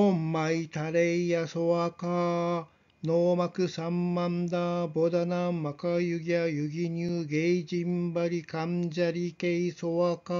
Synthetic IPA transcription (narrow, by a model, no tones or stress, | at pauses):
omːait̪aɾeijasoβaka | noːmakɯ̟sãmːãnd̪aːbod̪anammakajɯɡʲiajɯɡʲiɲɯːɡeid͡ʑĩmbaɾʲikãɲd͡ʑaɾʲikeisoβaka